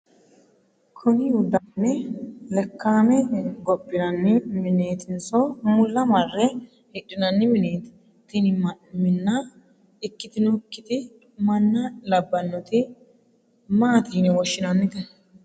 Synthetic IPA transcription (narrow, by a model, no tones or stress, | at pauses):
kʰɔnɪjʊd̪ɐnːɛlɛkːaːmɛɡɔpːɪnɐnːɪmɪneːt̪ɪnsɔmʊlːɐmɐrːɛ | hɪɗːɪnɐnːɪmɪneːt̪ɪ̥ | t̪ɪnɪmɪnːɐ | ɪkːɪt̪ɪnɔkːɪt̪ɪ | mɐnːɐlɐbːɐnːɔt̪ɪ | maːt̪iːnɪwɔʃːɪnɐnːɪt̪ɛ